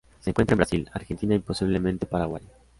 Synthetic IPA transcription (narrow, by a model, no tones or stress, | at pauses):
seːŋkwent̪ɾembɾasila̰ɾxent̪inaimpo̞siβ̞lemẽnt̪epaɾaɣwa̰j